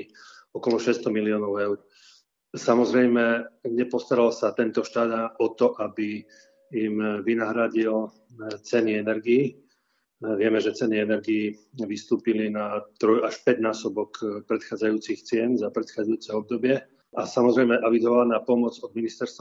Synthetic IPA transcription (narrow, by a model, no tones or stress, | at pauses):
ɔkɔlɔʃɛst̪ɔmiliɔːnɔʊɛʊɾ | samɔzɾɛjmɛɲɛpɔst̪aɾalsat̪ɛnt̪ɔʃt̪aːd̪aʔɔt̪ɔʔabi | imʋinaɦɾaɟil | t͡sɛniɛnɛɾɡiː | ʋɪɛmɛʒɛt͡sɛniɛnɛɾɡiːʋist̪uːpilinat̪ɾɔjaʃpɛɟnaːsɔbɔkpɾɛt̪xaːd͡zajuːt͡sixt͡sɪɛnzapɾɛt̪xaːd͡zajuːt͡sɛɔb̚d̪ɔbɪɛ | ʔasamɔzɾɛjmɛʔaʋizɔʋalnaːpɔmɔd͡zɔd̪minist̪ɛɾst̪